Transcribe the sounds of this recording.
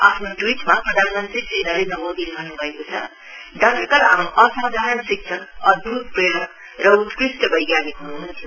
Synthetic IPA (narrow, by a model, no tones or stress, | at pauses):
apʰnoʈwiʈmaprʌd̪ʱanmʌnt̪risenʌɾenʌbod̪ilɡʱʌrnubʱʌekot͡sʰʌ | ɖʌkikʌlɦamɾuʔʌsad̪ʱaɾʌnsik̚sʰʌk̚ʌd̪̚bʱut̪̚preɽʌk | rʌut̪krisʈʌbʌjɡjanikɦunuɦunt̪ʰi